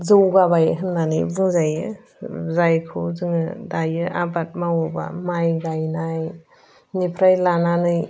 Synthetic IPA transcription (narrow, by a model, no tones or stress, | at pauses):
zɯwɡabajɦɯnːanɯjbuŋzajɯ | zajkʰɯzɯŋɯdajɯʔabat̚mawɯba̰majɡajnaj | nipʰɾajlananɯj